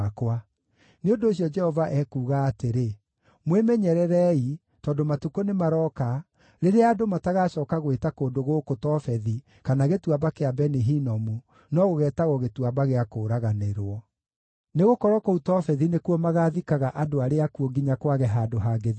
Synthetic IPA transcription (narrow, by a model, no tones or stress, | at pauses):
kwa | neondoːɕ̬ijɔd͡ʒɛhɔvaʔɛkuːɣaːteɾe | mwemɛɲɛɾɛɾɛi | tɔːndomatukonemaɾɔːka | ɾeɾeaːdomataɣaːɕɔːkaɣwetakoːndoɣokotɔfɛði | kanaɣetuabakeabɛniɦinɔmu | nɔɣoɣɛːtaɣɔɣetuabaɣeakoːɾaɣaneɾwɔ | neɣokɔɾɔkɔutɔfɛðinekwɔmaɣaðikaɣaʔadoaɾeakuoɡiɲakwaɣɛɦaːdoɦaːɡeði